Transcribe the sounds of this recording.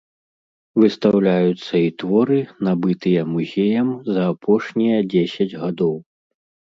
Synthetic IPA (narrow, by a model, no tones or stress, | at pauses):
vɨst̪awlʲajut̪sːɐit̪vɔɾɨnabɨt̪ɨjɐmuzʲejɐmzɐːpʰɔʂnʲijɐd͡zʲesʲɐd͡zʲɣad̪ɔw